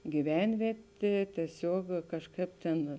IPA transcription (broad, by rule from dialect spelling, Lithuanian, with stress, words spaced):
ɡʲiːˈʋʲɛnʲʋʲiɛtʲeː tʲiɛˈsʲuɔk kɐʃˈkɐɪp tʲeːn